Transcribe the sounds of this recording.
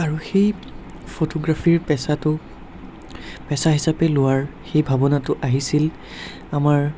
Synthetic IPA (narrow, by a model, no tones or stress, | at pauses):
aɹuxej | pʰotɔɡɹafiɹpɛsatʊ | pɛsaɦisapɛlʊwaɹxejbʱabɔnatʊʔaɦisil | amaɹ